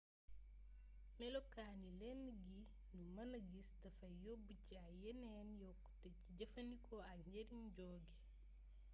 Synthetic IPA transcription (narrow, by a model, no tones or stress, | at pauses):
mɛlokaːnilɛnːɡi | numɐnɐɡistɐfɐjobucajenenjɔkːteciɟɐfɐnikʰɔaɲeɾinɟɔːɡe